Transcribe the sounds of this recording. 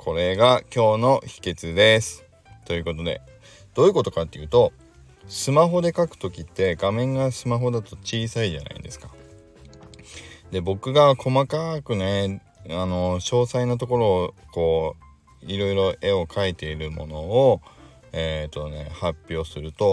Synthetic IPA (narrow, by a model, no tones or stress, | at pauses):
kʰo̞ɾe̞ɡakʲo̞ːno̞çi̥ke̞t͡sɨd̪e̞sɨ̥ | t̪o̞jiɯ̟ːko̞t̪o̞d̪e̞̰ | d̪̥o̞iɯ̟ko̞t̪o̞kat̪ːe̞jɯ̟ːt̪o̞ | sɨmaɦo̞d̪e̞kakɯ̟̥t̪o̞kʲit̪ːe̞ɡamẽ̞ŋɡasɨmaɦo̞d̪at̪o̞t͡ɕiːsaiʑa̰nʔa̰ḭnd̪e̞sɨ̥kḁ | d̪e̞bo̞kɯ̟ɡakʰo̞makakɯ̟ne̞ | ano̞ɕo̞ːsainot̪̬o̞ko̞ɾo̞ːko̞ː | iɾo̞iɾo̞ʔe̞o̞kʰait̪e̞iɾɯ̟mo̞̰no̞o | et̪ːo̞ne̞̰hapʲːjo̞ːsɨɾɯ̟t̪o̞